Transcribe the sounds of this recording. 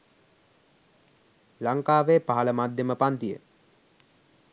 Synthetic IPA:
laŋkaːʋepaɦaləmad̪ʱjəməpant̪ijə̰

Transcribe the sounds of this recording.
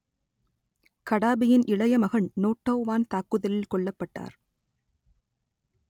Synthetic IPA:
kɐɽaːbɪjɪnʔɪɭɐjɐmɐɣɐɳnoːʈːɐːʋaːnt̪aːkːɯðɐlɪlkɔɭːɐpːɐʈːa̰ːɾ

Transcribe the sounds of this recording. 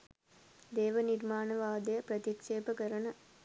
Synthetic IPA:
d̪eːʋənirmaːnəʋaːd̪ɐjəpɾɐt̪ikʂeːpəkəɾənə

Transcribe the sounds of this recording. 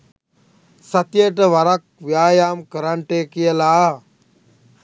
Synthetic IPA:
sɐt̪jeːʈɐʋɐɾɐk̚ʋjaːjaːmkəɾaɳʈeːkijɐlaː

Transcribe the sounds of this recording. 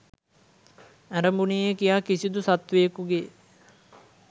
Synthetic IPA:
æɾəmbuniekijaːkisid̪usat̪ʋejəkuɡe

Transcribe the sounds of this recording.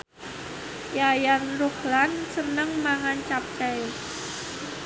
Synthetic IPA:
jajanruklansənəŋmaŋant͡ʃap̚kɛj

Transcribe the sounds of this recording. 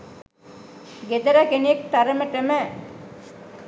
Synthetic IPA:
ɡed̪ɐɾakenek̚t̪aɾəməʈemə

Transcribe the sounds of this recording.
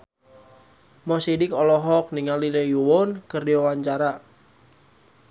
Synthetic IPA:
mɔsidɪkɔlɔɦɔk̚niŋalilejuwɔnkɨrdiwawaɲt͡ʃaɾa

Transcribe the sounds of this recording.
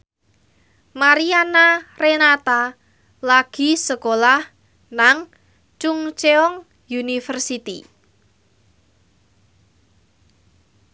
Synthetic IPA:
maɾianarenat̪a | laɡ̥i̤səkolah | naŋ | t͡ʃuŋt͡ʃeɔŋ | junifərsit̪i

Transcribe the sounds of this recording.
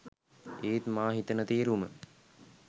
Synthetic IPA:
eːt̪maːɦit̪ənət̪eːɾumə

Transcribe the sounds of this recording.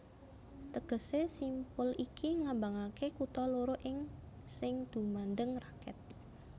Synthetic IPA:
t̪əɡ̥əsesimpʊlikʰiŋambaŋakekut̪ɔloɾoʔɪŋ | sɪŋd̪̥ṳmandəŋrakɛ̰t̪̚

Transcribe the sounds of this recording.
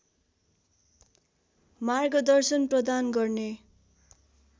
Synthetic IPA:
marɡʌd̪ʌrsʌnprʌd̪anɡʌrne

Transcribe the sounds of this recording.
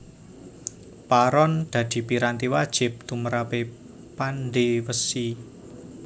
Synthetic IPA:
paɾɔnd̪̥ä̤d̪̥i̤piɾant̪iwad̥ʒ̥ɪ̤p̚t̪uməɾape | panɖewəsi

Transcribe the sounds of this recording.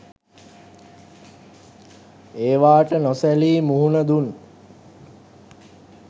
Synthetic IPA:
eːʋaːʈənɔsæliːmuɦunəd̪un

